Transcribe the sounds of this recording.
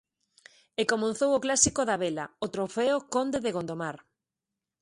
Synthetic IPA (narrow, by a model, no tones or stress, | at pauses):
ekomõn̟θowoklasikoðaβelaot̪ɾofeokond̪eðeɣond̪omaɾ